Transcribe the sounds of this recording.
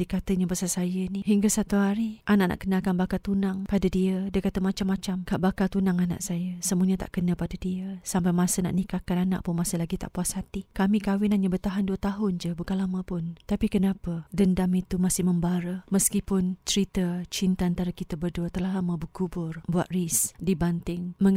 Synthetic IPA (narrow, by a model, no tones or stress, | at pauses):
dikat̪əɲabasasajəniɦiŋɡasat̪uɦaɾiʔanaʔ̚nʔa̰ʔkənakanbakat̪unaŋpadadiədiəkat̪əmat͡ʃamːat͡ʃamkaʔbakat̪unaŋana̰ʔsajəsəmuəɲət̪a̰ʔkənəpadadiəsampajmasəna̰ʔnikakanana̰ʔpʊnmasəlaɡit̪a̰ʔpuashat̪ikamĩkawɪnaɲabərt̪aɦanduət̪aɦʊnd͡ʒəbukanlamə̃pʊnt̪apikənapədəndamit̪umasɪhməmbaɾəməskipʊnt͡ʃəɾit̪ət͡ʃint̪aant̪aɾakit̪əbərduət̪əlaɦlamə̃bəkubʊrbua̰t̪̚risdibant̪ɪŋməŋ